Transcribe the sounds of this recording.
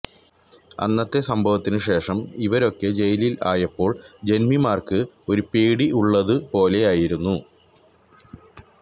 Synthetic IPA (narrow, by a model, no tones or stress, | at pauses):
ɐ̰nːɐt̪ːe̞sɐmbʱɐʋɐt̪ːinɨɕe̞ːʂɐmiʋɐɾo̞kːe̞d͡ʑe̞jilila̰ːjɐpːo̞ːɭd͡ʑe̞nmimaːrkɨ | o̞ɾupeːɽiʔuɭːɐðɨpo̞ːle̞jaːjiɾunːu